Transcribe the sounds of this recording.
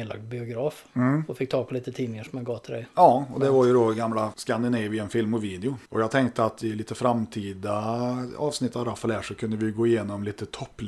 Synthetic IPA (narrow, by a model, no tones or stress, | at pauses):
ela̰ɡ̪̚bɪʊɡɾɑːfɔfɪk̚ːt̪ʰɑːɡ̚pʰɔliːt̪ət̪ʰiːnɪŋaʂɔmjaɡɑːt̪ʰɪld̪ɛ̰ɪɑːɔd̪ɛvaɾjʉd̪ɔɡamːlaskand̪ɪnɛvɪɛnfɪlmɔviːd̪ɛʊʔɔjɑːɡ̚t̪ʰɛŋkt̪əat̪ɪliːt̪əfɾamt̪ʰiːd̪aɑ̰ːvsnɪt̪ːaɾafɑlæːʂɔkʰɵnd̪əʋɪjɡoːɪjeːnɔmliːt̪ət̪ʰɔpːl